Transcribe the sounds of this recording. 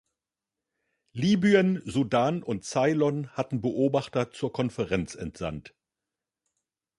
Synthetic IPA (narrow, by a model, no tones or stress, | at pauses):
liːbyənzudaːnʊntsaɪlɔnhatn̩bəʔoːbaχtɐt͡suːɐkʰɔnfəʁɛnt͡sɛ̰ntz̥a̰nt